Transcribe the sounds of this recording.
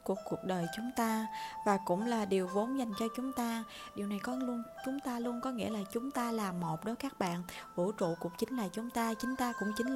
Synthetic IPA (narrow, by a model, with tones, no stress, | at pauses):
ku˨˧˩əkːu˨˩ək̚ɗəː˨˩jt͡ɕʊ˨˦ŋ͡mt̪aː˧vaː˨˩kʊ̰˧˥ŋ͡mlaː˨˩ɗi˨˩əwvo˨˦nza˨˩jŋ̟t͡ɕɔ˧t͡ɕʊ˨˦ŋ͡mt̪aː˧ | ɗi˨˩əwna˨˩jkɔ˨˦lu˧ənt͡ɕʊ˨˦ŋ͡mt̪aː˧lu˧ənkɔ˨˦ŋḭ˧˥əlaː˨˩t͡ɕʊ˨˦ŋ͡mt̪aː˧laː˨˩mmːo˨˩t̚ɗo˨˦jkaː˦˥k̚ɓa̰ː˧˨nʔvṵ˧˥t͡ɕṵ˧˨ku˨˩ək̚t͡ɕï˨˦ŋ̟laː˨˩t͡ɕʊ˨˦ŋ͡mt̪aː˧t͡ɕï˨˦ŋ̟t̪aː˧kʊ̰˧˥ŋ͡mt͡ɕï˨˦ŋ̟